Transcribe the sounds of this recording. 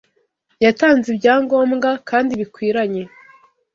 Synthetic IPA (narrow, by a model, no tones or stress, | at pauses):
jataːnzebɟaːŋɡo̞ːmŋɡakʰaːndiβikwiːɾaɲe̞